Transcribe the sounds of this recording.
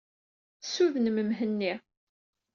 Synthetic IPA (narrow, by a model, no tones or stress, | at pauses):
suðnəməmɦənːi